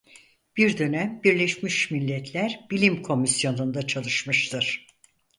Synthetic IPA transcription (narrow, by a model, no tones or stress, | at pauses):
b̥iɾd̪ø̞næmbiɾlʲeʃmiʃmilʲːɛt̪ʰlʲæɾbilʲimkʰo̞misjo̞nund̪at͡ʃʰalˠɯʃmɯʃt̪ʰɯɾ̥